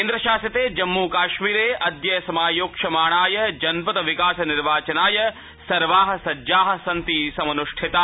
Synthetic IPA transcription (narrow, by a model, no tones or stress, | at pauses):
ind̪ɾɐʃaːsjɐt̪eːd͡ʒɐmːuːkaːʃmiːɾeːʔɐd̪jɐjɐsɐmaːjoːkʂɐmaːɳaːjɐd͡ʒɐnpɐt̪ɐʋikaːsɐniɾʋaːt͡ʃɐnaːjɐ | sɐɾʋaːɦɐ̆sɐd͡ʒaːɦɐ̆sɐnt̪isɐmɐnuʂʈʰit̪a